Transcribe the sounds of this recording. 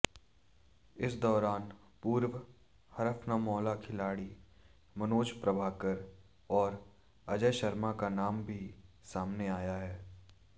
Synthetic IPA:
ɪsd̪ɔːɾaːn | puːɾʋ | hɐɾəfnamɔːlakʰɪlaːɽi | mɐnoːd͡ʒpɾɐbʱaːkəɾ | ɔːɾ | ɐd͡ʒəʃɐɾmakanaːmbʱi | saːmneaːjaɦɛː

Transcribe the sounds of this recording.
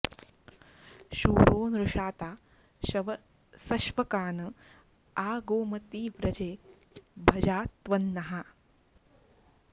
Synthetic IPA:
ʃuːɾoːnɾɐʃaːt̪aː | ʃɐʋɐ | sɐʃʋɐkaːnɐ | aːɡoːmɐt̪iːʋɾɐd͡ʒeː | bʱɐd͡ʒaːt̪ʋɐnːɐɦɐ

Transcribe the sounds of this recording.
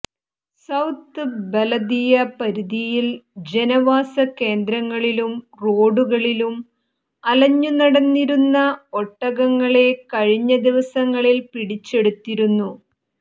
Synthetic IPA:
sɐwt̪ːɨbelɐd̪ijɐpɐɾiðijild͡ʑe̞nɐʋaːsɐke̞ːnd̪ɾɐŋːɐɭilum | ro̞ːɖuɣɐɭilum | ɐlɐɲːunɐɽɐnːiɾunːɐoʈːɐɣɐŋːɐɭe̞kɐɻiɲːɐd̪iʋɐsɐŋːɐɭilpiɽit͡ɕːe̞ɽut̪ːiɾunːu

